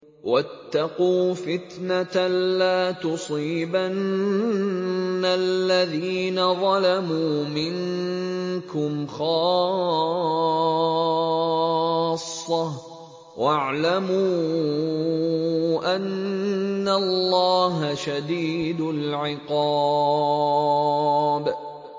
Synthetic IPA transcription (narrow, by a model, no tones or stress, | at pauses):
wʔat̪ːɑquːfɪt̪nat̪alaːt̪ʊsˤiːban | alːaðiːnaðˤɑlamuːmɪŋ | kʊmxɑː | sˤːɑ | wʔaʕlamuː | ʔanː | allːɑːɦaʃad̪iːd̪ʊlʕɪqɑ | b